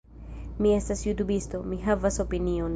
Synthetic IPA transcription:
miɛst̪asjut̪ubist̪omiɦavasopiniɔn

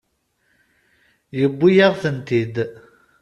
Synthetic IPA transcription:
jəbːijaʁθənt̪id̪

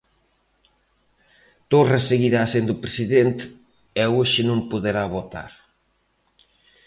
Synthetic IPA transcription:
t̪oreseɣiɾasend̪upɾesiðent̪ | ɛoʃɪnõŋpuðeɾaβot̪a̰ɾ

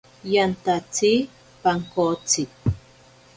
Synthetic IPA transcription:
jant̪at͡si | paŋkot͡sɪk̚

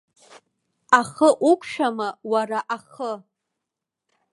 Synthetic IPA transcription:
aχəʔukʷʰʃᶣamawaraʔaχə

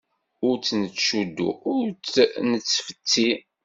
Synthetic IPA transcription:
ʊɾt͡sːnət͡sːʃud̪ːṵʊɾnət͡sːfə̥t̪ːi

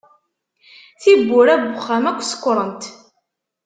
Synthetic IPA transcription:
θibːʊɾæɡʷʊχːæmækʷːskʷːɾˤənt̪

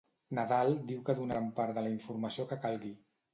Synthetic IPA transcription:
naðalˠd̪iwkəðunaampaɾðələiɱfuɾməsiokəkalˠɣi

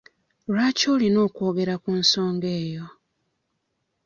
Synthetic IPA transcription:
ɾaːcoːlino̞ːko̞ːɡe̞ɾakunso̞ːŋɡe̞ːjo̞

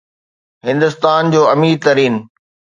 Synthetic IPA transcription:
ɦɪ̃nd̪ʊst̪aːnd͡ʑoːɐmiːɾt̪ɐɾiːn

